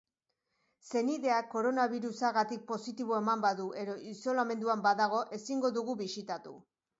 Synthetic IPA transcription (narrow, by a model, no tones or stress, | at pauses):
se̞niðe̞ako̞ɾo̞naβiɾusaɣat̪ik̚po̞sit̪iβ̞o̞e̞mambaðuʔe̞ðo̞ʔiso̞lame̞nd̪uambaðaɣ̞o̞ʔe̞siŋɡo̞ðuɣuβisit̪at̪ṵ